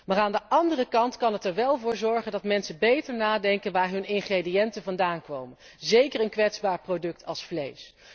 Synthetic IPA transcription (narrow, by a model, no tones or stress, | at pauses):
maːraːndəʔɑndərəkɑntkɑnətɛɹʋɛlˠvʊːɹzɔɹχəndɑtmɛnsəbejtəɹnaːdɛŋkənʋaːɹɦɵnɪnχredijɛntənvɑndaːnkʋowmən | zejkəɹənkʋɛtzbaːɹprowdɵk̚tʰɑlˠsflḛjs